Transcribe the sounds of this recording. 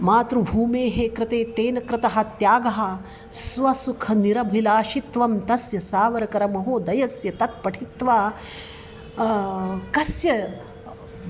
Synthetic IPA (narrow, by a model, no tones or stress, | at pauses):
maːt̪ɾubʱuːmeːɦekɾɪt̪eːt̪eːnɐkɾɪt̪ɐɦɐ̆t̪jaːɡɐɦɐ̆ | sʋɐsukʰɐniɾɐbʱilaːʃit̪ʋɐmt̪ɐsjɐsaːʋɐɾɐkɐɾɐmɐɦoːd̪ɐjɐsjɐt̪ɐt̪̚pɐʈʰit̪ʋaː | kɐsjɐ